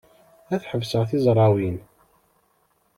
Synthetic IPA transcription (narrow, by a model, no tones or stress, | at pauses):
æθħəvsəʁθɪzˤɾˤɑwin